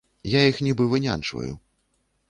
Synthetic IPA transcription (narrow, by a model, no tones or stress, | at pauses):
jajixnʲibɨvɨnʲa̰nt͡ʂvɐ̰jṵ